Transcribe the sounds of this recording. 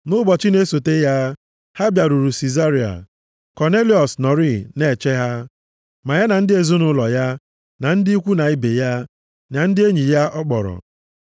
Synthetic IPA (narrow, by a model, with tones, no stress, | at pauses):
nʊ˦bɔ˨t͡ʃɪ˦ne˦so˨te˦ja˦ | ha˦bja˨ɾu˨ɾu˨si˨za˦ɾi˨a̰˨ | kɔ˨ne˦li˨ɔ˨snɔ˨ɾi˦ne˨t͡ʃe˦ɦa˦ | ma˨ja˦na˨n̩˦dɪ˦e˨zo˦nʊ˦lɔ˨ja˦ | na˨n̩˦dɪ˦i˦kʷu˦na˨ɪ˦be˨ja˦ | na˨n̩˦dɪ˦e˦ɲi˨ja˦ʔɔ˦k͡pɔ̰˨ɾɔ̰˨